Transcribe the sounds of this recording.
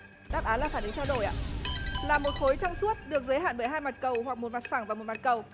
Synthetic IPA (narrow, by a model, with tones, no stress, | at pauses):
ɗaː˦˥p̚ʔaː˨˦laː˨˩faː˧˩nɨ˨˦ŋt͡ɕaː˧wɗo˧˩jʔa̰ː˧˨laː˨˩mo˨˩t̚xo˨˦jt͡ɕɔ˧wŋ͡msu˦˥ət̚ɗɨ˨˩ək̚zəː˨˦jɦa̰ː˧˨nɓəː˧˩jɦaː˧jma˨˩t̚kə˨˩wɦwa˨˩k̚mo˨˩t̚ma˨˩t̚faː˧˩ŋvaː˨˩mo˨˩t̚ma˨˩t̚kə˨˩w